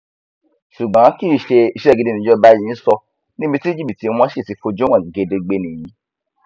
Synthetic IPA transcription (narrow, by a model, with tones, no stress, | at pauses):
ʃu˨ɡ͡bã˨˦ki˦˨ʃe˧i˧ʃɛ˦˨ɡi˧de˦nĩ˨˦ɔ˦ba˦jĩ˧˦sɔ˧ | nĩ˦bĩ˧ti˦d͡ʒi˦˨i˨ti˨˦˧w̃ɔ̃˦ʃe˦˨si˨˧˦fo˧d͡ʒo˦wã˦˨ɡi˨ɡe˧de˧ɡ͡be˦nĩ˨jĩ˨˦